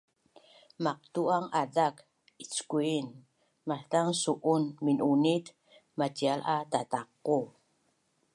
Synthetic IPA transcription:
maq̚t̪uʔaŋadak | it͡skuin | mat̪aŋsuʔunminʔunit̪ | matialʔat̪at̪aqːu

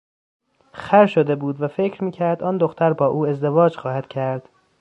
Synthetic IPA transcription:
xæɾʃod̪e̞buːd̪væfe̞cʰɾmiːcʰæɾd̪ɒːnd̪oxt̪ʰæɾbɒːʔuːe̞zd̪e̞vɒːd͡ʒxɒːhæd̪̥cʰæɾd̪̥

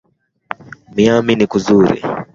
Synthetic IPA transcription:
miaminikuzuɾḭ

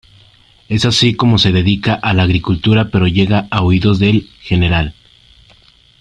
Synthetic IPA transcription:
e̞sasiko̞mo̞se̞ðe̞ðikaʔalaːɣɾikult̪uɾape̞ɾo̞ʝe̞ɣaaoiðo̞zðe̞lxe̞ne̞ɾal

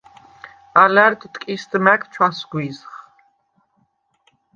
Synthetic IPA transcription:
alɛɾt̪t̪ʼkʼisd̪mɛkʰt͡ʃʰwasɡwizχ

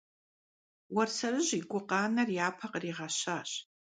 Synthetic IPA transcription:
warsarɨʒʷiɡʷʊqʼaːnarjaːpʰaqʼriʁaʃaʃ

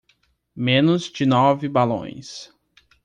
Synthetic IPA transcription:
mẽnʊzd͡ʒɪnɔvɪbalõ̰j̃s

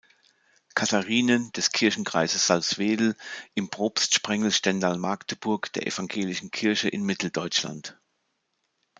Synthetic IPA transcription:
kʰataʁiːnənd̥ɛskʰɪɐçn̩kʁ̥aɪzəsz̥alsv̥eːdl̩ʔɪmpʁ̥oːpstʃpʁ̥ɛŋl̩ʃtɛndaːlmaɐktʰəb̥ʊɐkd̥eːɐʔḛfaŋɡeːlɪʃn̩kʰɪɐçəʔɪnmɪtʰl̩dɔʏt͡ʃla̰nt

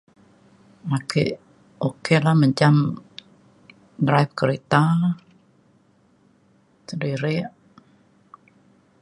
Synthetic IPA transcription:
akḛʔ | okelaməɲd͡ʒam | dɾajp̚kəɾet̪a | sədiɾɪʔ

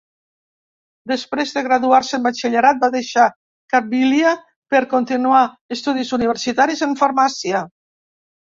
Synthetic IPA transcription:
d̪espɾezðeɣɾaðuaɾsəembat͡ʃeʎeɾat̪̚baðeʃa | kap̚bilja | peɾkont̪inua | est̪uð̞izuniβeɾsit̪aɾizeɱfaɾmasia

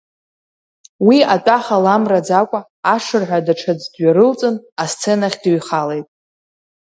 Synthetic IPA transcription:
wiatʼaχalamrad͡zakʷʼaː | ʂɨrħʷadaʈ͡ʂʰad͡zdɥaɾɨlt͡sʼɨnast͡sʰe̞naχʲdɥχale̞jtʼ

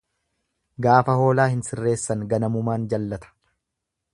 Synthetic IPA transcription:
ɡaːfɐho̞ːlaːhɪnsɪrːe̞ːsːɐŋɡɐnɐmʊmaːnd͡ʒɐlːɐt̪ɐ̥

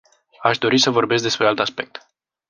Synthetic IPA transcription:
aʃd̪o̞ɾisəvo̞rbe̞s̬k̚d̪e̞spɾealt̪aspe̞k̚t̪

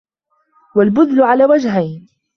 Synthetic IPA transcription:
walbʊðlʊʕalaːwad͡ʒɦajn

